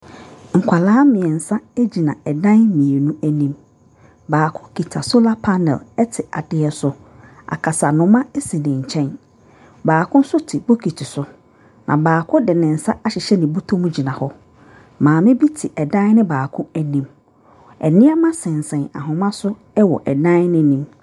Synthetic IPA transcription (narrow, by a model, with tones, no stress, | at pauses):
ŋ̩˨kʷʰa˨laː˦mɪ̃˨ɛ˨n̩˨sa˦æ˦d͡ʑi˨nã˨ɛ˨dã˦nmĩ˨e˨nũ˦æ˦nĩ˦m | baː˨kʰʊ̃˦kʰi˨tʰa˨so˦la˦pʰa˦nɛ̰˨lɛ˦tʰɪ˨a˨dɪ˦ɛ˨sʊ˦ | a̰˨kʰa˨sa˨nʊ̃˨˦mã˦e˦si˨nɪ̃˨ɲ̩˨t͡ɕʰɛ̃˦n | baː˨kʰʊ̃˦n˦sʊ˦tʰi˨bo˦kʰi˨tʰɪ˨sʊ˦ | nʔã̰˨baː˨kʰʊ̃˦dɪ˨nɪ̃˨n̩˨sa˦a˦ɕɪ˨ɕɛ˦nɪ̃˨bu˦tʰõ˦mũ˦d͡ʑi˨nã˨hɔ˦ | mãː˨mɪ̃˦bi˦tʰɪ˨ʔɛ˨dã˦n˦nɪ̃˦baː˨kʰʊ̃˦æ˨nĩ˨m | ɛ̰˨nɪ̃˦a˦mã˦sɛ̃˨n˨sɛ̃˨na̰˨ɦʊ̃˨mã˦sʊ˦ | ɛ˦wɔ̰˨ʔɛ˨dã˦n˦nɪ̃˦nĩ˦m